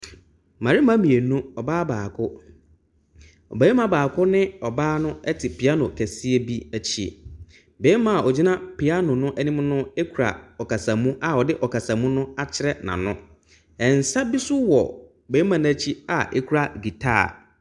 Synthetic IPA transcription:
mã˨ɾɪ˦mã˦mĩ˨e˨nũ˦ɔ˨baː˦baː˨kʰʊ˦ | ɔ̰˨be˨˦i˦mã˨baː˨kʰʊ˦nɪ̃˦ɔ˨baː˦nʊ̃˦ɛ˦tʰɪ˨pʰi˨a˦nʊ̃˨kʰæ˨si˦e˦bi˦æ˦t͡ɕʰḭ˦˨ | be˦mã˨ʔɔ˨d͡ʑi˦nã˦pʰɪ˨a˦nʊ̃˨nʊ̃˦ʔæ˦nĩ˦mnʊ̃˦ɛ˦kʰu˨ɾa̰˨ɔ˨ka˨sã˨mũ˦ʔa˨ɔ˨dɪ˦ʔɔ˨ka˨sã˨mũ˦nʊ̃˦a˦t͡ɕʰɪ˦ɾɛ˦˨nã̰˨nʊ̃˦ | ɛ˨n̩˨sa˦bi˦sʊ˦wɔ̰˨ | be˨˦mã˨ñ˦æ˦t͡ɕʰi˦a̰˨ʔɛ˦kʰu˨˦ɾa˨ɡi˨tʰa̰˦˨

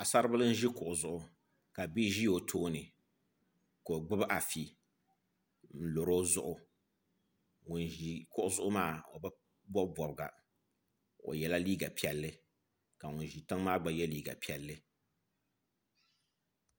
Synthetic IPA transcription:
a˨sa˦ɾɨ˦bɨ˦lɨ˦n̩˦ʒi˦kʊ˨ʔʊ˨zʊ˨ʔʊ˨ | ka˨bi˦ʒi˦jo˨tʰoː˦nɨ˨ | ko˨ɡ͡bɨ˦bʔa˨fi˨ | n̩˨lo˨ɾo˦zʊ˦ʔʊ˨ | ŋʊ˨n˨i˨kʊ˨ʔʊ˦zʊ˦ʔʊ˦maː˦˨o̰˨ba˦ | bɔ˦bbɔ˨bɨ˨ɡa̰˨ | o̰˨jɛ˨la˦liː˦ɡa˨pi˨˦ɛ˨lːɨ˦ | ka˨ŋʊ˨n˨ʒi˨ta˦ŋ˦maː˦ɡ͡ba˨jɛ˦liː˦ɡa̰˨pi˨ɛ˨lːɨ˦

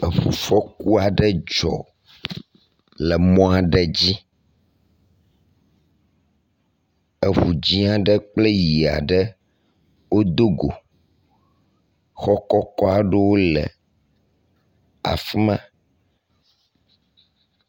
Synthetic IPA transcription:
ə˨ɸṵ˨fɔ˦ku˦a˨ɖə˦d͡ʒɔ̰˨ | lɛ˨mɔ̃˦a˨ɖɛ˦˨d͡ʑi˦ | ɛ˨ɸu˨d͡ʑĩ˦a˦ɖə˦k͡ple˦ji˨a̰˨ɖə˦ | wo˦d̪o˦ɡo̰˨ | xɔ˦kɔ˦kɔ˦a˨ɖɛ˦wo˦lɛ̰˨ | a̰˨fmã˦

